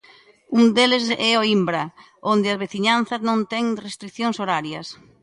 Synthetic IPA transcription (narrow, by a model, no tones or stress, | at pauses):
uŋd̪elɪsɛoimbɾɐ | ond̪ɪɐzβeθiɲan̟θɐznõnt̪ɛŋrest̪ɾikθjoŋsoɾaɾjɐs